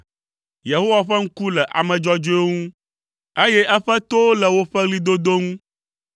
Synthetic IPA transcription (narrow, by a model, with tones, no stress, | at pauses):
je˨ɦo˦wa˨ɸɛ˦ŋ̩˦ku˦lɛ˨ʔa̰˨mɛ̃˨d͡ʒɔ˦d͡ʒo˦o˦ŋũ˦ | e˦jɛ˦ʔɛ˦ɸɛ˦t̪o˦lɛ˨wo˦ɸɛ˦ɣli˦d̪o˦d̪o˦ŋũ˦